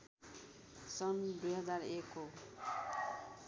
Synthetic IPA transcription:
sʌnd̪ujɦʌd͡zarekːo

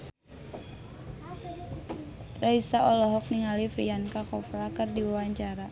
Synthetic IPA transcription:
raisaɔlɔɦɔk̚niŋalifɾiankakɔfɾakɨrdiwawaɲt͡ʃaɾa

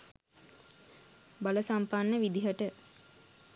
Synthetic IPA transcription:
baləsampanːəʋid̪iɦəʈə

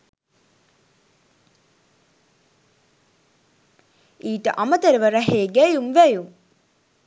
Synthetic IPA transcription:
iːʈə̰ʔamət̪əɾəʋəɾɐɦeːɡæjumʋæjum

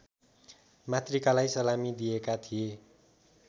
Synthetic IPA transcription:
mat̪rikalajsʌlamid̪ijekat̪ʰije

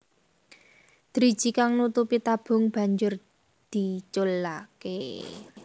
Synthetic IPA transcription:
d̪̥ɾid̥ʒ̥i̤kaŋnut̪upit̪ab̥ʊ̤ŋb̥a̤ɲd͡ʒʊr | d̪̥i̤t͡ʃolakḛ

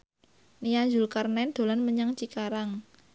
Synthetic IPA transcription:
nijaɲd͡ʒulkarnɛnd̪̥o̤lanməɲaŋt͡ʃikaɾaŋ

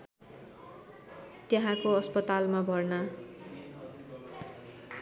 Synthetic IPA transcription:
t̪jeɦãkoʌspʌt̪almabʱʌrna

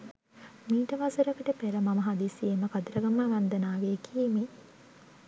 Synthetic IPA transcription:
miːʈəʋasɐɾɐkəʈəpæɾəmɐmɐɦad̪isieməkad̪uɾɐɡamaʋɐnd̪ənaːʋeːkʰieme

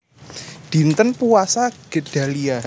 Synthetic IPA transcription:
d̥i̤nt̪ənpuasaɡ̥e̤d̥a̤lia

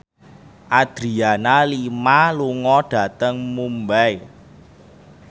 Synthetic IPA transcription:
ʔad̪̥ɾianalimaluŋɔɖ̥ä̤t̪əŋmumbɛj

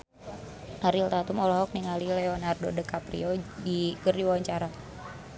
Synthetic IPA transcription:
ʔaɾilt̪at̪umɔlɔɦɔk̚niŋalilɛɔnardodəkapɾḭɔdikərdiwawaɲt͡ʃaɾa

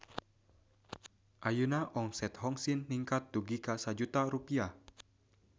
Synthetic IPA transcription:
ʔajunaʔɔŋsɛt̪hɔŋsinːiŋkat̪̚ːuɡikasad͡ʒut̪aɾupia

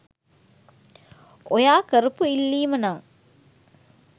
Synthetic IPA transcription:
ojaːkəɾupuilːiːmənaŋ

